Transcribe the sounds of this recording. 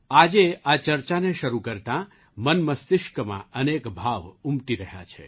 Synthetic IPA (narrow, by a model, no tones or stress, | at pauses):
ad͡ʒeat͡ʃəɾt͡ʃaneʃəɾukəɾt̪ã | mənməst̪ɪʃkəmã̰ənekbʱaʋumt̪iɾəɦja̰t͡ʃʰḛ